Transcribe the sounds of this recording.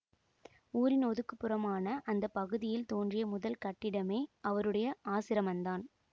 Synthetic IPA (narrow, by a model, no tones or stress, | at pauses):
uːɾɪnɔðɯkːɯpːɯɾɐmaːnɐʔɐnd̪ɐpːɐɣɯðɪjɪlt̪oːndrɪjɐmʊðɐlkɐʈːɪɽɐmeːɐʋɐɾɯɽɐjɐaːsɪɾɐmɐnd̪aːn